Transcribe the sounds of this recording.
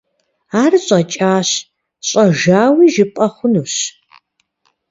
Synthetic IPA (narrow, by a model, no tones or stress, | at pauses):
aːrɕʼɐt͡ʃʼaːɕ | ɕʼɐʒaːwiːʒɪpʼɐχʷʊnuːɕ